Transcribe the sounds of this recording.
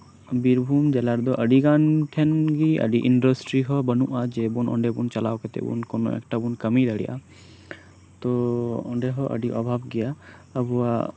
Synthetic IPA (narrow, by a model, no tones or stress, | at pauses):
biɾbʱumd͡ʒɛlaɾd̪ɔʔəɖiɡanʈʰɛnɡiə̰ɖiʔiɳɖɔsʈɾiɦɔbənuʔad͡ʒɛbunɔ̰ɳɖebunt͡ʃalawkɛt̪ɛ̰bṵnkɔnɔ̰ʔɛ̰k̚ʈabunkəmid̪əɽḭjʔa̰ | t̪ɔɔ̰ɳɖeɦɔʔə̰ɖiʔɔbʱabɡija | əbua